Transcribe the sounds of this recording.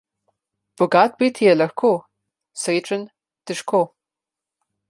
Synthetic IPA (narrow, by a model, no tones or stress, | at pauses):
b̥ʊɡaːt̚biːtʰijɛlɐxkʷʰo | sɐjʈ͡ʂʷʼɨn | d̥ɨʂkʷʰoː